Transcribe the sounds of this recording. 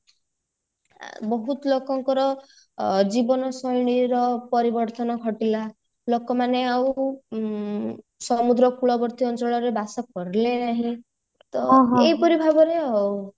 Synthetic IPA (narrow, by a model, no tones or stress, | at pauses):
bɔɦut̪ɔlokɔŋkɔɾɔ | d͡ʒibɔnɔsɔjɽ̃iɾɔpɔɾibɔɾt̪ɔnɔkʰɔʈila | lokɔmaneaw | sɔmud̪ɾɔkuɭɔbɔɾt̪iɔnt͡ʃɔɭɔɾebasɔkɔɾilenaɦĩ | t̪ɔɦepɔɾibʱabɔɾeɦɔw